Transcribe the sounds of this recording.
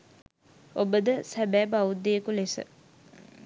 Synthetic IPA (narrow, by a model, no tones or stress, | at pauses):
obəd̪əsæbæːbaud̪ːeekulesə̰